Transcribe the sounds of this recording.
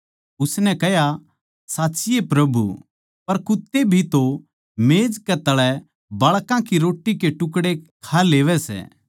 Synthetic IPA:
ʊsnɛ̃kɛɦja | saːtːsɪjepɾɐbṵ | pɐɾkʊt̪ːebʱit̪o | meːd͡ʒkɛt̪ɐɭɛ | bɐɭkãkiɾoːʈːikeʈʊk̬ɽekʰaleːʋɛsɛ̰ː

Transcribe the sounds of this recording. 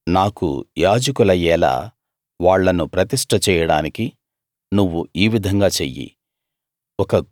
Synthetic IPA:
naːkṵjaːd͡ʒɐkulɐjɛːla̰ː | ʋaːɭːɐnupɾɐt̪iʂʈʰɐt͡ʃɛːjɐɽaːniki | nuʋːuiːʋid̪ʱɐŋɡaːt͡ʃejːḭ | ɔkɐ

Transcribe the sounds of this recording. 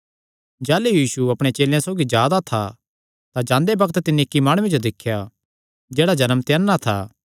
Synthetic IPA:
d͡ʒɛːlejiːsuɐpɽ̃et͡ʃeːljãsoːɡid͡ʒjaːd̪at̪ʰa̰ | t̪ad͡ʒãːnd̪ebɐkʰət̪t̪ɪnːekːimaːɽ̃ʊ̃wẽd͡ʒod̪ɪkʰːja | d͡ʒeːɽad͡ʒɐnəmt̪jɛnːat̪ʰa̰

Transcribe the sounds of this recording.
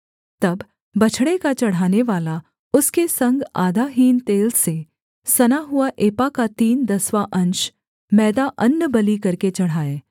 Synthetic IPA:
t̪ɐbː | ɐt͡ʃʰɽekat͡ʃɐɽ̤aːneʋaːla | ʊskesɐ̃ŋɡaːd̪aːɦiːnt̪eːlse | sɐnaɦʊaʔeːpakat̪iːnd̪ɐswaʔɐ̃nʃ | mɛːd̪aʔɐnːəbɐlikɐɾket͡ʃɐɽ̤aːeː

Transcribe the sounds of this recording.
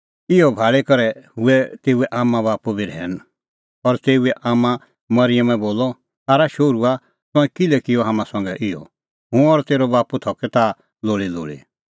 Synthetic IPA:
ɪjɔbʱaːɭekɐɾɛɦʊɛt̪eːuɛʔaːmãbaːpubiɾʱɛ̰ːn | ɔɾt̪eːuɛʔaːmã | mɐɾɪjəmɛ̃boːlɔ | saːɾaʃoːɾua | t̪ɔ̃ɛ̃kɪlɛkɪjɔɦaːmãsɔ̃ŋɡɛʔɪjɔ̰ | ɦʊ̃ɔɾt̪eːɾɔbaːput̪ʰɔkɛt̪a | loːɭilo̰ːɭḭ

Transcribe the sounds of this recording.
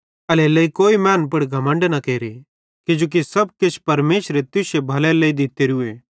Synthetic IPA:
ɐlelɐikoːimɛ̃ːnpɐɽɡʱɐmə̃ɳɖnɐkeːɾe | kɪd͡ʒoːk̬isɐb̚kɪt͡ʃʰpɐɾmeːʃɾet̪ʊʃebʱɐlɛlɐid̪ɪt̪eɾueː

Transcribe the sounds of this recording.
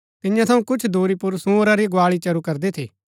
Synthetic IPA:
t̪ɪjãt̪ʰɐũkʊt͡ʃʰd̪ʱuːɾipʊɾsũoːɾaɾiɡʊaːɭit͡ʃɐɾukɐɾd̪et̪ʰḭː

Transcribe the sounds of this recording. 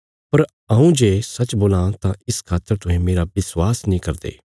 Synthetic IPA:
pɐɾ | ɐũd͡ʒeːsɐt͡ʃboːlãt̪ãɪskʰaːt̪ːəɾt̪ʊɦẽmeːɾabɪswaːsnĩːkɐɾd̪ḛː

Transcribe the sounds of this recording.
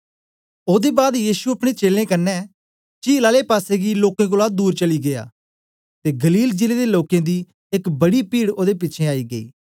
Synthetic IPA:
oːd̪ebaːd̪jiːsuɐpɽ̃et͡ʃeːlẽkɐnːɛ | t͡ʃiːlaːlepaːseɡiloːkẽk̬ʊlad̪uːɾt͡ʃɐliɡea̰ː | t̪eɡɐliːld͡ʒɪled̪eloːkẽd̪i | ɪkbɐɽipiːɽoːd̪ep̬ɪːʃʰẽaːiɡəḭː

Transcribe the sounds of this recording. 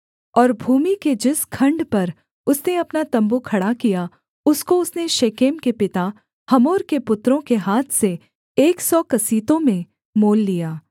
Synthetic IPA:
ɔːɾbʱuːmiked͡ʒɪskʰɐ̃ɳɖpɐɾ | ʊsneɐpnat̪ɐ̃mbukʰɐɽakija | ʊskoʊsneʃeːkeːmkepɪt̪a | hɐmoːɾkepʊt̪ɾõkeɦaːt̪ʰse | eːksɔːkɐsiːt̪õmẽ | moːlːijaː

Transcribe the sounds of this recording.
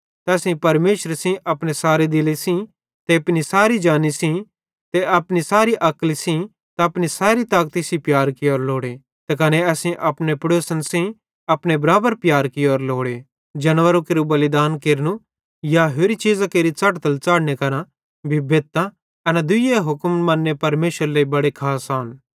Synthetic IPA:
t̪ɛːsĩpɐɾmeːʃɾsĩʔɐpɽ̃esaːɾed̪ɪlisĩ | t̪eɐpnisaːɾid͡ʒaːnisĩ | t̪eɐpnisaːɾiʔɐklisĩ | t̪aɐpñisaːɾit̪aːk̚t̪isipjaːɾkɪɔːɾloːɽe | t̪ekɐneɛːsĩʔɐpnepɐɽoːsənsĩ | ɐpɽ̃ebɐɾaːbəɾpjaːɾkɪoɔːɾloːɽe | d͡ʒɐnʋəɾõkeːɾubɐlɪd̪aːnkeːɾnũ | jaɦoːɾit͡ʃiːzakeːɾit͡sɐʈt̪əlt͡ʃaːɽnekɐɾã | bʱibeːt̪ːã | ɐnad̪ʊieɦʊkmmɐ̃nːepɐɾmeːʃɾleibɐɽekʰaːsaːn

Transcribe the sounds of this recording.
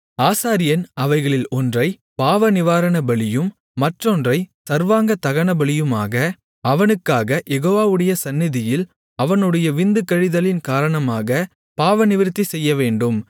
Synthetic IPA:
aːsaːɾɪjɐnɐʋɐɪɣɐɭɪlɔndrɐɪ | paːʋɐnɪʋaːɾɐɳɐbɐɭɪjɯmː | ɐʈrɔndrɐɪsɐɾʋaːŋɡɐt̪ɐɣɐɳɐbɐɭɪjɯmaːɣɐ | ɐʋɐnɯkːaːɣɐjɛɣoːʋaːʋɯɽɐjɐsɐnːɪðɪjɪl | ɐʋɐnɯɽɐjɐʋɪnd̪ɯkːɐɻɪðɐlɪnkaːɾɐɳɐmaːɣɐ | paːʋɐnɪʋɪɾt̪ːisɛjːɐʋeːɳɖɯm

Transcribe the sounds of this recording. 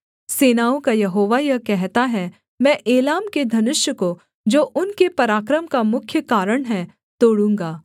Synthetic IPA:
seːnaːõkajɐɦoːʋajɐkɛɦt̪aɦɛ | mɛ̃ːʔeːlaːmked̪ʱɐnɪʃjəko | d͡ʒoːʔʊnkepɐɾaːkɾəmkamʊkʰjəkaːɾəɽ̃ɦɛ | t̪oːɽũːŋɡaː

